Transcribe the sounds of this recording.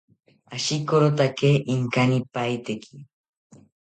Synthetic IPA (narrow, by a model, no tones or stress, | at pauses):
aʃikoɾot̪akeːʔɪŋkanipajt̪ekʰi